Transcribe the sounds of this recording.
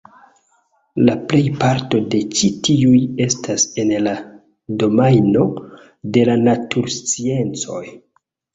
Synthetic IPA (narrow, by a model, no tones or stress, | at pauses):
laple̞jpaɾto̞de̞t͡ʃitiuje̞stase̞nla | do̞majno̞ | de̞lanatuɾst͡sie̞nt͡so̞̰j